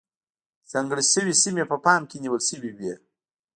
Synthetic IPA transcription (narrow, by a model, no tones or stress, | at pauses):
z̥aŋɡəɽisəwisimepəpɑmkeniwəlsəwibje